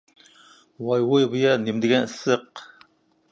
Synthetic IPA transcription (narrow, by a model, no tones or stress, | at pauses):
wɑjwojbɨjɑnɪmd̪ɪɡʲɛnɨsəq